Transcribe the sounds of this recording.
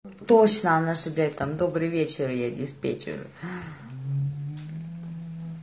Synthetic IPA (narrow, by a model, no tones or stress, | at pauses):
t̪ot͡ɕnəanɐʐɨblʲat̪amd̪obɾɨjvʲet͡ɕɪɾjadʲɪspʲḛt͡ɕɪ̰ɾʊ̰